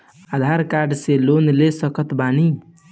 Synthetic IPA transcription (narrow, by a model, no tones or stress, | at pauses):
ad̪ʱaɾkaɾɖselonlesəkət̪bani